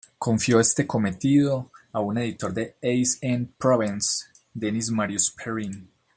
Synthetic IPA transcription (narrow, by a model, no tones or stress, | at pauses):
ko̞ɱfjo̞e̞st̪e̞ko̞me̞t̪iðo̞aune̞ðit̪o̞ɾd̪e̞ejsenpɾoβins | d̪enismaɾjuspʰeɾin